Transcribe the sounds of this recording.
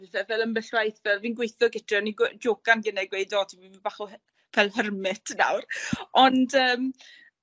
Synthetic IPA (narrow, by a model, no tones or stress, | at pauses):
vɛvɛlˠəmbɛɬwajθvɛlˠviːnɡwejθɔɡɪtʰɛɔniɡd͡ʒoːɡ̥anɡənɛɡwejdɔtʰivibaχɔ | v̥ɛlˠɦərmɪtʰna̰wrɔndəːm